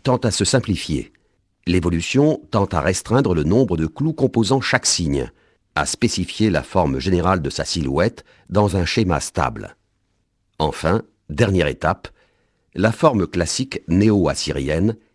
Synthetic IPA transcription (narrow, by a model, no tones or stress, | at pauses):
t̪ɑ̃t̪asəsɛ̃plifjḛ | levɔlysjɔ̃t̪ɑ̃t̪a̰ʁɛst̪χɛ̃d̪ʁələnɔ̃bʁəd̪əklukɔ̃pozɑ̃ʃaksiɲ | a̰spesifjela̰fɔʁmʒeneʁald̪əsa̰silwɛt̪ | d̪ɑ̃zɛ̃ʃema̰st̪a̰bl | ɑ̃fɛ̃ | d̪ɛʁnjɛʁḛt̪ap | lafɔʁmklasikneoa̰siʁjɛn